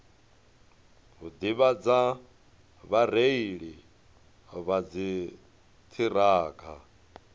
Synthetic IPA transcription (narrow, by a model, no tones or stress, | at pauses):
ɦud̪iβad͡za | βaɾeiɺi | βad͡zi | t̪ʰiɾaːkʰa